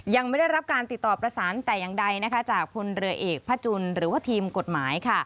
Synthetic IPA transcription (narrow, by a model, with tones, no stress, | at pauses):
ja˧ŋma˥˩jda˥˩jɾa˦˥p̚kaː˧nt̪i˨˩t̪ːɔː˨˩pɾa˧saː˩˦nt̪ɛː˨˩jaː˨˩ŋda˧jna˦˥kʰa˦˥t͡ɕaː˨˩k̚pʰo˧nɾɯ˧ɐʔeː˨˩k̚pʰːa˦˥t͡ɕu˧nɾɯː˩˦waː˥˩t̪ʰiː˧mko˨˩t̪̚maː˩˦jkʰa˥˩